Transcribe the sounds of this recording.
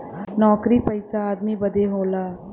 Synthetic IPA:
nɔːkɾipɐɪsaaːd̪mibɐd̪eɦoːlaː

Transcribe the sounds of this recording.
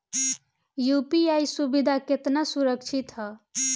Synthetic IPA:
jupiajsubid̪ʱaket̪nasuɾəkt͡ʃʰit̪ɦʌ

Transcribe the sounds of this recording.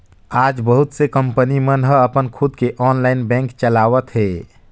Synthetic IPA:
ad͡ʒbəɦut̪sekəmpənimənɦəəpənkʰud̪keʔɔnlainbɛ̃ŋkt͡ʃəlaʋət̪ɦe

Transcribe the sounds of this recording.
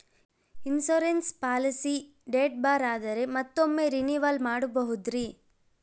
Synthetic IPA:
insoːɾenspaːlisi | ɖeːʈ̚baːɾaːd̪ɐɾe̞mɐt̪ːomːeɾiniʋɐlmaːɽubɐɦud̪ɾi

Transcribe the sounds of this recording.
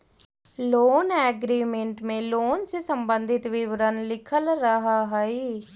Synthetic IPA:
loːnɛːɡɾiːmẽɳʈmẽːloːnsesəmbənd̪ʱɪt̪ʋɪʋəɾənlɪkʰəlɾəɦaːɦaiː

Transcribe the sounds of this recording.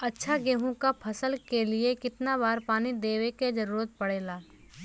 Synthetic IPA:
ɐtːʃʰaɡeːɦõkapʰɐsəlkeliekɪt̪naβaːɾpaːnid̪eːweked͡ʒɐɾuːɾət̪̚pɐɽeːlaː

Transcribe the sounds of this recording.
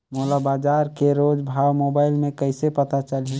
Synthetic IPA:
moːlabaːd͡ʒaːɾkeɾoːd͡ʒbʱaːwmoːbaːɪlmẽkəɪsepət̪at͡ʃəlĩ

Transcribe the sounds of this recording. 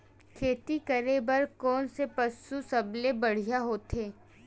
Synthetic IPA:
kʰeːt̪ikɐɾebəɾkɔːnsepɐsusɐblebɐɽ̤ijaɦoːt̪eː

